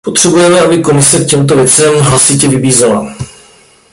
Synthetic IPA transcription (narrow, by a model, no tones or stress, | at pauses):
pot̪r̝̥ɛbujɛmɛʔabɪko̞mɪsɛk̚cɛmt̪̬ovjɛt͡sɛmɦlasɪcɛvɪbiːzala̰